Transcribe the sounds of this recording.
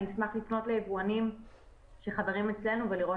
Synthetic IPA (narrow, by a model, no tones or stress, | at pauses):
ismaχlifno̞tlejevuanim | ʃe̞χaveʁimet͡sle̞nuveliʁo